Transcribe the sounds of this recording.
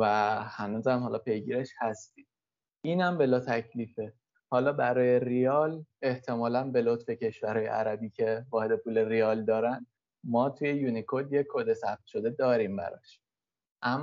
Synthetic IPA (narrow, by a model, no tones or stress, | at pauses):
væhænuːzæmhɒːlɒpʰe̞jɟiːɾeʃhæst̪iːd̪̥ | iːnæmbe̞lɒːt̪ʰæcʰliːfe | hɒːlɒːbæɾɒːje̞rijɒːle̞ht̪ʰe̞mɒːlænbe̞lot̪fe̞cʰe̞ʃvæɾhɒːjḛʔæ̰ɾæbiːcʰe̞vɒːhe̞d̪e̞pʰuːle̞rijɒːld̪ɒːɾænd̪ | mɒːt̪ʰuje̞junikʰo̞d̪jeod̪e̞sæp̚t̪̚ʃo̞d̪e̞d̪ɒːɾiːmbæ̰ɾɒ̰ʃ | ʔæmː